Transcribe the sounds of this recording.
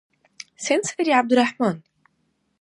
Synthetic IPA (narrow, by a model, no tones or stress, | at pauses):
sensaɾiʕab̚d̪ʊrˤːɑħmaːn